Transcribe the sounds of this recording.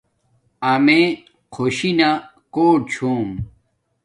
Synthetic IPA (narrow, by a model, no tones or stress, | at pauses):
ɐme | qʰoɕina | koːɽ̚t͡ɕʰoːm